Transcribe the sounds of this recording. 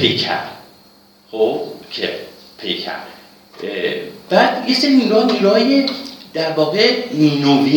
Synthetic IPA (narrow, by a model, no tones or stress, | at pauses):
pʰejkʰæ̰m | xobkʰḛ | pʰḛjkʰæ̰m | b̥æːd̪jeseɾiniɾuhɔniɾuɦɒːjed̪̥æɾvɒːɣemiːnobi